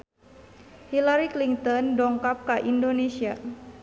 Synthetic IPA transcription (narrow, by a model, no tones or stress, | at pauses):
hilaɾikliŋt̪ɔndɔŋkap̚kaʔindonesia